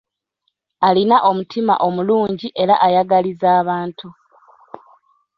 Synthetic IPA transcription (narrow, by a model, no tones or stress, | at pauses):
alinaʔo̞mutʰima̰ʔo̞muluːɲɟiʔe̞ɾaʔajaɡalizaːβaːntʰu